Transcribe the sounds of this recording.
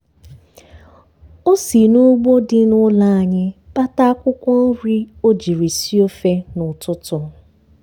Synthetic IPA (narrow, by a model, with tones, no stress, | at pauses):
o˦si˨nu˦ɡ͡bo˦dɪ˦nʊ˦la˦a˨ɲɪ˦pa˦ta˦a˦kʷʊ˦kʷɔ˦n̩˦ɾi˦o˦d͡ʒi˨ɾi˨si˦o˦fe˦nʊ˨tʊ˦tʊ˨